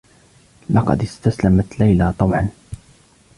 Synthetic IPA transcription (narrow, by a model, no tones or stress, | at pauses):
lɑqɑ̰d̪ɪst̪aslamat̪lajlaːt̪ˤɑbʕɑn